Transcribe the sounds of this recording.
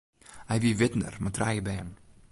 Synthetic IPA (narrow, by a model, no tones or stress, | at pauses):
ajviːvɪtn̩ə̰ɾmatʰɾaɪjəbɛn